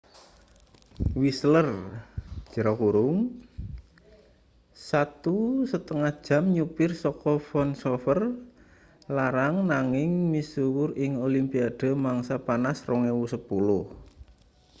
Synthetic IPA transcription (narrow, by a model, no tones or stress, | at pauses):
wislər̥ | d͡ʒʒ̥ə̤ɾɔkuɾʊŋ | sat̪usət̪əŋahd̥ʒ̥a̤mɲupɪrsɔkɔfɔnsofər | laɾaŋnaŋɪŋmisuwʊrɪŋolimpiad̪̥a̤maŋsapanasrɔŋewusəpulʊh